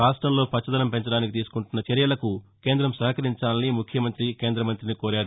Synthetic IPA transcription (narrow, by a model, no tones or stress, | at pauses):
aːʂʈɾɐmlo̞ːpɐt͡ʃːɐd̪ɐnɐmpe̞ɲt͡ʃɐɽaːnikit̪̬iːsu̥kuɳʈunːɐt͡ʃɐɾjɐlɐkuke̞ːnd̪ɾɐmsɐɦkɐɾiɲt͡ʃaːlɐnimukʰjɐmɐnt̪ɾike̞ːnd̪ɾɐmɐnt̪ɾinikoːɾaːɽ